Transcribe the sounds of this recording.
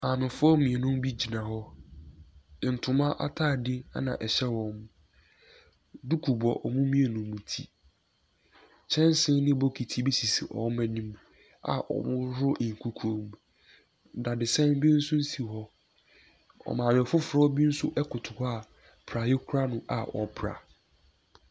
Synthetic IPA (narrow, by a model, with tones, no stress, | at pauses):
a˨mɪ̃˨fʊ˦ɔ˦mĩ˨ɛ˨nʊ̃˦m˦bi˦d͡ʑi˨nã˨hɔ˦˨ | n̩˨tʰʊ̃˨mã˦ʔa̰˦tʰaː˦˨dɪ˦a̰˦nã̰˨ʔɛ˨ɕɛ˦wɔ̃˨m | du˦kʰu˨bɔ̰˨ʔɔ̰˨mʊ̃˦mĩ˦e˨nʊ̃˨mũ˨tʰḭ˦ | t͡ɕʰɛ̃˦n˦sɪ̃˦nnɪ̃˦bo˦kʰi˨tʰi˦bi˦si˨si˨ʔɔ̰˨˦ɛ̃˨nĩ˦m | a̰˨ʔɔ̰˨mʊ̃˦ɾɾʊ˦ʔŋ˨kʰu˦kʰõ˦m | da˨dɪ˨sɛ̃˦m˦bi˦n̩˦sʊ̃˦n̩˦si˨ɦɔ˦ | ɔ̰˨mã˨dɪ˨ɔ˨fʊ˦fʊ˨ɾɔ˦bi˦n̩˦sʊ˦ʔɛ˦kʰʊ˨tʰʊ˨hɔ˦a˦˨ | pʰɾa˨jɪ˦kʰʊ˦ɾa˦nʊ̃˨ʔa̰˨ʔɔ˨pʰɾa̰˨